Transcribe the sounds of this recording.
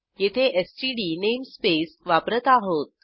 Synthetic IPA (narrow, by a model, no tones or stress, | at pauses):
jet̪ʰeʔesʈiɖinemspesʋapɾət̪aɦot̪̚